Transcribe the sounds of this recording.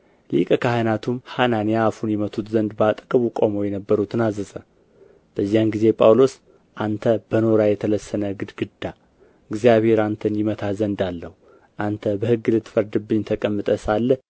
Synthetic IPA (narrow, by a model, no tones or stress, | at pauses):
lḭkʼəkʰaɦɨnat̪ʰumhananijaːfunjɛmət̪ʰʼut̪zənd̪bat̪ʼkʼəβukʼomo̞jɛnəbːəɾut̪ʰɨnazːəzə | b̥əzːijanɡize̞pʼawlo̞s | ʔant̪ʰəb̥əno̞ɾajɛt̪ʰələsːənəɡɨd̪ɡɨd̪a | ɨɡzijaβhe̞ɾant̪ʰənjɪmət̪ʰazənd̪alːəhu | ʔant̪ʰəbəhɨɡːɨlɨt̪ːfəɾd̪ɨbːɨɲːt̪ʰəkʼəmːɨt̪ʼəsalːə